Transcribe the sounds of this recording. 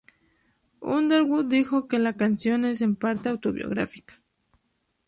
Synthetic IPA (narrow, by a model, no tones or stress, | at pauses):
ṵnd̪eɾwud̪ixokelakansjo̞nes̬empaɾt̪eawt̪oβjo̰ɣɾa̰fi̥kḁ